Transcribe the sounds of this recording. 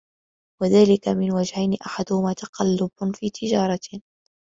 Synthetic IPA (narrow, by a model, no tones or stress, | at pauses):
waðaːlɪkamɪnwad͡ʒhajnɪʔaħad̪ʊhʊmaːt̪ɑqɑlːʊbfiːt̪ʰɪd͡ʒɑːɾˤɑ